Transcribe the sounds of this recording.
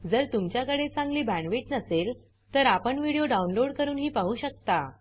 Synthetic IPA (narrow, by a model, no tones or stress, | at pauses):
d͡zəɾt̪umt͡ɕjakəɽet͡sãŋɡliːbʱæ̃ɳʋeʈnəsel | t̪əɾapəɳʋiɽijoɖaunloɽkəɾuːnɦiːpaɦuːɕək̚t̪a